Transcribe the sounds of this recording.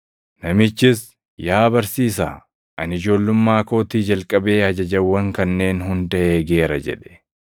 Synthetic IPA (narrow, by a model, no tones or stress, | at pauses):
nɐmɪt͡ʃːɪs | jaːbɐɾsiːsa̰ː | ʔɐnɪd͡ʒo̞ːlːʊmːaːko̞ːt̪iːd͡ʒɐlkʼɐbe̞ːɐd͡ʒɐd͡ʒɐwːɐŋkɐnːe̞ːnɦʊnd̪ɐʔeːɡe̞ːɾɐd͡ʒɛ̰ᶑɛ̥